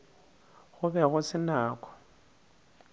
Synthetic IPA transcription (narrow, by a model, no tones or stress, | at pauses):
ɣʊbɛɣʊsɪnaːkɔ̥